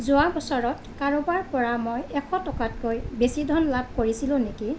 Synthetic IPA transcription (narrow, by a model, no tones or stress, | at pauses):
zʊabɔsɔɹɔt | kaɹobaɹpɔɹamojɛkʰɔtɔkat̚kojbesidʱɔnlab̚koɹisilʊ̃neki